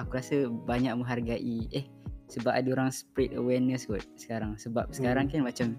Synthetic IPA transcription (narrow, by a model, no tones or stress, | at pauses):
akuɾasəbaɲak̚mə̃ɦarɡaʔiʔɛh | səbap̚adaoɾaŋspɾɛt̚ə̰wɛrnəsɡut̪̚sə̥kaɾaŋsəbap̚sə̥kaɾaŋkanmat͡ʃam